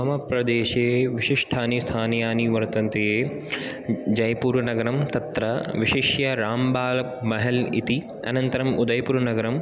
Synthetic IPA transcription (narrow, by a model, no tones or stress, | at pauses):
ɐɦɐmɐpɾɐd̪eːʃeːʋiʃiʂʈʰaːnist̪ʰaːnjaːniʋɐɾt̪ɐnt̪ejeː | d͡ʒɐjpuːɾʋɐnɐɡɐɾɐmt̪ɐt̪ɾɐʋiʃiʃjɐɾaːmbaːlɐpmɐɦɛlḭt̪i | ɐnɐnt̪ɐɾɐmud̪ɐjpuːɾɐnɐɡɐɾɐm